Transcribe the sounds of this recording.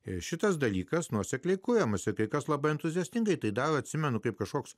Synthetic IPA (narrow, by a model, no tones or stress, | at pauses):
ɪʃʲɪt̪ɐsd̪ɐlʲiːkɐsnuɔsʲɛklʲɛɪkʊɾʲɛmɐsʲɪkɐɪkɐslˠɐbɐɪɛnt̪ʊzʲiɛsʲt̪ʲɪŋɡɐɪt̪ɐɪd̪ɐɾɐt̪ʲsʲɪmʲɛnʊkɐɪp̚kɐʃkoːks